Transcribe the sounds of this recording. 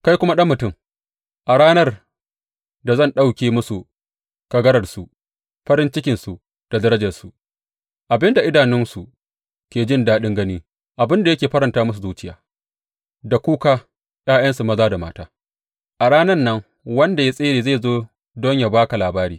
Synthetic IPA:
ka˦jkʷʊ˦ma˦ɗɐ˦mːʊ˨tʊ˦˨m | ʔa˨ɽaː˦nɐ˦r | da˨zɐ˦˨nɗa˦˨wkʲeː˨mʊ˦su˨ | kɐ˦ɡɐ˦ɾɐ˨rsu˨ | ɸɐ˦ɾɪ˦nt͡ʃɪ˦kʲɪ˨nsu˨ | d̥a˨dɐ˦ɾɐ˦d͡ʒɐ˨rsu˨ | ʔa˨bɪ˦nda˨ʔɪ˦daː˨nɪ˦nsu˨ | kʲeː˨d͡ʒɪ˦ndaː˦ɗɪ˦ŋɡɐ˦niː˦ | ʔa˨bɪ˦nda˨jɐ˦kʲeː˨ɸɐ˦ɾɐ˨ntaː˦mʊ˦s̬u˨zuː˦t͡ʃɪ˦jaː˨ | da˨kʷuː˦kaː˦ | jaː˦jɐ˦nsu˨mɐ˦zaː˦da˨maː˦taː˦ | ʔa˨ɽaː˦nɐ˦rnɐ˦ŋ | wɐ˦nda˨ja˦sʼeː˦ɾeː˨zeː˦˨zoː˦ | dɔ˦ɲja˨baː˦ka˨laː˨baː˦ɾiː˨

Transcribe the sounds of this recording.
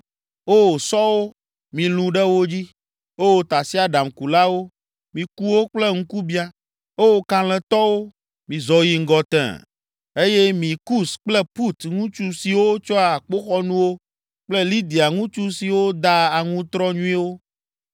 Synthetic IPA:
o˦˨sɔ˦wo˦ | mĩ˨lũ˨ɖɛ˦wo˦d͡ʑi˦ | o˦wo˨t̪a˨si˦a˨ɖa˨mku˨la˦wo˦ | mĩ˨ku˦wo˦k͡plɛ˦ŋ̩̃˦ku˦bi˦a˦ | o˦wo˦kã˨lɛ̃˨t̪ɔ˦wo˦ | mĩ˨zɔ˨ji˨ŋ̩˦ɡɔ˨t̪ɛ̰̃˨ | e˦jɛ˦mĩ˨ku˦sk͡plɛ˦pu˦t̪ŋũ˦t͡ʃu˦si˨wo˦t͡ʃɔ˦a˨k͡po˦xɔ˦nũ˦wo˦ | k͡plɛ˦li˦d̪i˨a˨ŋũ˦t͡ʃu˦si˨wo˦d̪a˦a˨ŋũ˦t̪ɾɔ˦ɲũ˦i˦wo˦

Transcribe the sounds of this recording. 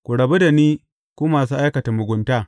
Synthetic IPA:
kʷu˨ɽɐ˨be˦da˨niː˦ | kuː˦maː˨suː˦ʔa˦jkɐ˨ta˨mʊ˨ɡʷʊ˨ntaː˦

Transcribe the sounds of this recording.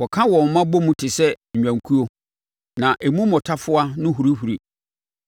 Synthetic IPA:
wɔ˨kʰã˦wɔ̃˨m̩˨mã˦bo˦mũ˦tʰɪ˨sɛ˦ɲ̩ᶣ˨ã˨ŋ˨kʰu˦o˦ | nã˨ʔe˨mũ˦mɔ̃˨tʰa˦fʊ˦a˦nʊ̃˦ɦu˨ɾi˦hu˨ɾi˨

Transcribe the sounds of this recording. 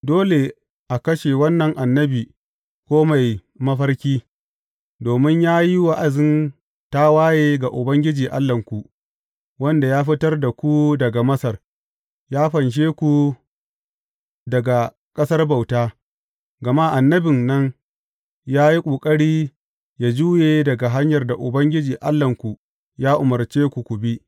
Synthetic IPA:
doː˦le˨ | ʔa˨kɐ˦ʃe˨wɐ˦nːɐ˨ŋʔa˨nːɐ˦biː˨ | kʷoː˦ma˨j | mɐ˦ɸɐ˦rkʲiː˦ | doː˨mɪ˦ɲjaː˦ji˦wa˦ʔa˨zɪ˦n | ta˦waː˦jeː˦ɡa˨ʔʊ˨bɐ˦ŋɡʲɪ˦d͡ʒiː˨ʔa̰˦lːɐ˨ŋkʷu˨ʔ | wɐ˦nda˨jaː˦ɸɪ˦tɐ˦rda˨kʷu˦dɐ˨ɡa˨mɐ˦sɐ˨r | jaː˦ɸɐ˨nʃ̬eː˦kʷu˨ | dɐ˨ɡa˨ | kʼɐ˦sɐ˦rba˨wtaː˦ | ɡɐ˨ma˦ʔa˨nːɐ˦bɪ˨nːɐ˦ŋ | jaː˦ji˦kʷʼoː˨kʼɐ˦ɽiː˦ | jaː˦˨d͡ʒuː˦jeː˨dɐ˨ɡa˨ɦa˦ɲjɐ˨rda˨ʔʊ˨bɐ˦ŋɡʲɪ˦d͡ʒiː˨ʔa˦lːɐ˨ŋkʷu˨ | jaː˦ʔʊ˨mɐ˨rt͡ʃeː˦kʷu˨kʷʊ˨bi˦ʔ

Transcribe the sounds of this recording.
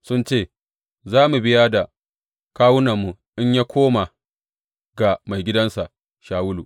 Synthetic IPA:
sʊ˦nt͡ʃeː˦˨ | zaː˦mu˨bɪ˦ja˦da˨ | kaː˦wʊ˦na˨mːu˨ʔɪ˦ɲjaː˦kʷʰoː˦ma˨ | ɡa˨ma˨jɡʲɪ˦dɐ˦nsa˨ | ʃaː˨wʊ˦lu˨

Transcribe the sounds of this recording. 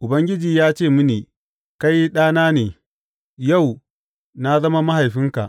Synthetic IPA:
ʔʊ˨bɐ˦ŋɡʲɪ˦d͡ʒiː˨jaː˦t͡ʃeː˦˨mʊ˦niː˨ | ka˦jːi˦ɗaː˦naː˦neː˨ | ja˦˨w | na˦zɐ˦ma˦ma˦ha˨jɸɪ˦ŋka̰˨ʔ

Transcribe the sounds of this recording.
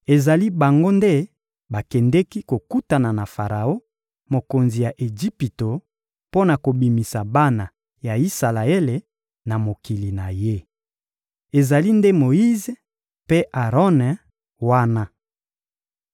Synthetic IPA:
e˨za˨li˦ba˨ŋɡo˦nde˦ | ba˨kɛ˨ndɛ˦ki˦ko˨ku˦ta˨na˨na˨fa˨ʁa˨o˦ | mo˨ko˨nzi˨ja˨ʔe˨d͡ʒi˦pi˨to˨ | po˦na˨ko˨bi˨mi˨sa˨ba˦na˨ | ja˨i˦sa˨la˨e˦le˨ | na˨mo˨ki˨li˨na˨je˦ | e˨za˨li˦nde˦mo˨i˦ze˨ | pe˦ʔa˨ʁɔ˦n˨ | wa˦na˦

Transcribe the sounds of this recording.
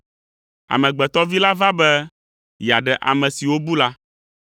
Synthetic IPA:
a̰˨mɛ̃˨ɡ͡bɛ˨t̪ɔ˦vi˦la˦va˦bɛ˦ | ja˨ɖɛ˨ʔa̰˨mɛ̃˨si˨wo˦bu˦la˦

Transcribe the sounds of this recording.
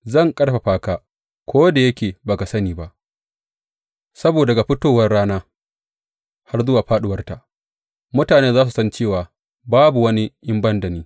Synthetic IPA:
zɐ˦˨ŋkʼɐ˦ɽɸa˨ɸaː˦kaː˦ | kʷoː˦da˨jɐ˦kʲeː˨ba˨ka˨sɐ˦niː˨ba˦ʔ | sɐ˦boː˨dɐ˨ɡa˨ɸɪ˦toː˦wɐ˦rɽaː˦naː˦ | ha˦rzʊ˦waː˨ɸaː˦ɗʊ˦wɐ˦rta˨ʔ | mʊ˦taː˨neː˦zaː˦s̬u˨sɐ˦nt͡ʃeː˦˨waː˨ | baː˦bu˨wɐ˦ni˦ʔɪ˦mbɐ˦ndɐ˨niː˦

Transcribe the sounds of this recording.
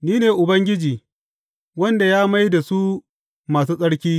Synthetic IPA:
niː˦neː˨ʔʊ˨bɐ˦ŋɡʲɪ˦d͡ʒiː˨ | wɐ˦nda˨jaː˦ma˦jda˨su˦ | maː˨s̬uː˦sʼɐ˦ɽkʲiː˦

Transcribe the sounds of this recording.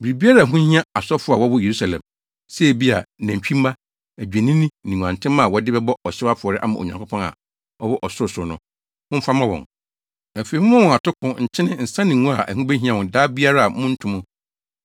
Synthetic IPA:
bi˨ɾi˨bi˦a˦ɾa˦˨ɦũ˦hĩ˦ã˦a˨sɔ˦fʊ˦a˨wɔ˦wʊ˦je˨ɾu˦sa˨lɛ̰̃˨m | se˦˨bi˦a̰˨næ̃˨ɲ˨t͡ɕᶣĩ˦mː˦ã˦ | æ˨d͡ʑᶣæ˨nĩ˦nĩ˦nĩ˨ŋʷũ˨ã˨n˨tʰɪ̃˦mã˦˨wɔ˦dɪ˦bɛ˦bɔ˦ɔ˨ɕɪ˦a˦fʊ˨ɔ˨ɾɪ˦ʔa˦mã˨o̰˨ɲã˨ko˦pʰɔ̃˦na̰˨ | ɔ˦wɔ˦ʔɔ˨sʊ˦ɾʊ˨sʊ˨nʊ̃˦ | mʊ̃˦fa˦mã˦wɔ̰̃˨ŋ | æ˨fe˨i˨mʊ̃˦mã˦wɔ̃˨a˨tʰʊ˦kʰʊ̃˦ɲ̩˨t͡ɕʰɪ˦nɪ̃˦n̩˨sã˦nɪ̃˨ŋũ˦a˨ʔæ̰˨hũ˦be˦ɦĩ˦ã˨wɔ̃˨daː˦bi˦a˦ɾa˦a˨mʊ̃˦n̩˦tʰũ˦mʊ̃˦

